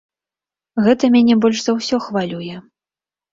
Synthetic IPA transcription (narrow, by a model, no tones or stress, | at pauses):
ɣɛt̪ɐmʲanʲɛbɔlʲʂzawsʲɔxvalʲujɛ